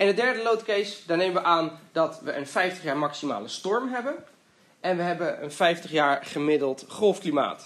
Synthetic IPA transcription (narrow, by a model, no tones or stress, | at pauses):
ɪndədɛɹdəlowtkejsdaːnejməʋəʔaːndɑtʋəʔənfɛjftəχjaːɹmɑksima̰ːləstɔɹmɦɛbən | ɛnʋəɦɛbəənfɛjftəχjaːɹχəmɪdəlˠtχɔlˠfklima̰ːt